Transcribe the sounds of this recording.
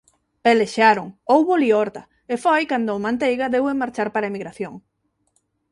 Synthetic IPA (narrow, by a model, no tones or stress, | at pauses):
elesʃaɾʊŋowβoliɔɾt̪a | efojkand̪ʊːmãnt̪̬ejɣaðewemaɾt͡ʃaɾpaɾaemiɣɾaθjoŋ